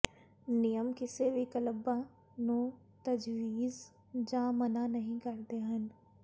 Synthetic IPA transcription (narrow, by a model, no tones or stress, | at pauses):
nɪjəmkɪseʋikələba | nõ | t̪ɐd͡ʒʋiːz | d͡ʒãːmɐnanɐɦĩkɐɾd̪eɦən